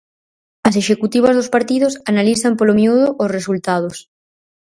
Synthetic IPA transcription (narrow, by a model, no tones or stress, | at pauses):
aseʃekut̪iβ̞azðospaɾt̪iðosanaliθampolomiuðoʔosresult̪að̞os